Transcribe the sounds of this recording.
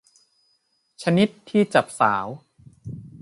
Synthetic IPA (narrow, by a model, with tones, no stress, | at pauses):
t͡ɕʰa˧ni˦˥t̪ʰːiː˥˩t͡ɕa˨˩p̚saː˩˦w